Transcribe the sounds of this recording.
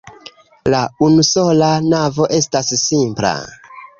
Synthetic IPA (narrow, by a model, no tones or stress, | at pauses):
launuso̞lanavo̞ʔe̞stasːimpla̰